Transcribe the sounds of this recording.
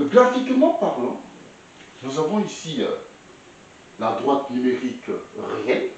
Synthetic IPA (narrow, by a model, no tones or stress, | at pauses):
ɡʁafikmɑ̃paʁlɔ̃ | nuzavɔ̃isḭ | lad̪ʁwat̪nymeʁikʁeɛ̃l